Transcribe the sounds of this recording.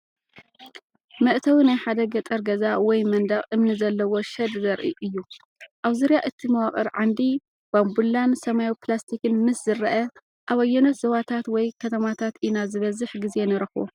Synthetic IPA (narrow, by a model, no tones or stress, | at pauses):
mɐʔt̪ʰɐwinajħad̪ɐɡɐt̪ʼɐɾɡɐzawɔjmɐnd̪aχʼʔɨmnɨzɐlːɐwo̞ʃɐd̪zɐɾʔḭʔɨjːu | ʔaβzuɾjaʔɨt̪ʰimɐwakʼɐ̰ɾʕand̪i | b̥ambulːansɐmajuplast̪ʰikɨnmɨszɨɾɐʔɐ | ʔaβɐjːɛnot̪zɐβat̪ʰat̪wɔjkʰɐt̪ʰɐmat̪ʰat̪ʔinazɨβɐzɨħɡize̞nɨɾɐxo̰